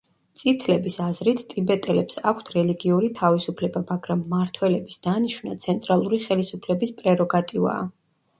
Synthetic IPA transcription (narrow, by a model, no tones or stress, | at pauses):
t̪sʼit̪ʰlɛbisazɾit̪ʰt̪ʼibɛt̪ʼɛlɛpsakʷʰt̪ʰɾɛliɡiuɾit̪ʰavisupʰlɛbamaɡɾamːaɾt̪ʰwɛlɛbisd̪̥aniʃwna̰t̪sʰɛnt̪ʼɾalˠuɾiχɛlisupʰlɛbispʼɾɛɾɔɡat̪ʼiva̰ː